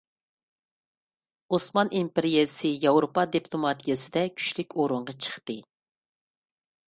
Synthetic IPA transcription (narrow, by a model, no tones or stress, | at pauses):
osmɑnʔimpeɾijesɨjɑwɾopɑd̪ipʰlˠomɑt̪ʰijɑsɨd̪ɛkʲʰy̥ʃlykʲoɾuɴʁɑt͡ʃʰə̥χt̪ɨ